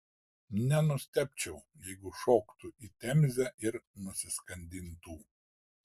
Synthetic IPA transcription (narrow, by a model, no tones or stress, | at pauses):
nʲɛnʊsʲt̪ʲɛpʲt͡ʃʲɛʊ | jɛɪɡʊʃoːkt̪ʊʔiːt̪ʲɛmʲzʲæʔɪɾnʊsʲɪskɐnʲd̪ʲɪnt̪uː